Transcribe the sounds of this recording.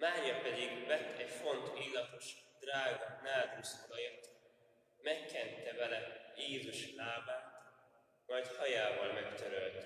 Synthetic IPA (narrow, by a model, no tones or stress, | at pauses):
maːɾjɒpɛd̪iɡvɛt̪ːɛcfo̞nt̪iːlːɒt̪o̞ʃd̪raːɡɒnaːd̪rusod̪ɒjet̪ | mɛkːɛnt̪ːɛvɛlɛjeːzuʃlaːbaːt̪ | mɒjt̪hɒjaːvɒlmɛkt̪øɾølt̪